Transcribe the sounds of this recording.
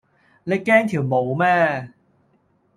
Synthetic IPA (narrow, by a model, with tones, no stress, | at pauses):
le˨˧kɛː˥ŋt̪ʰiː˨˩wmo˨˩wmɛː˥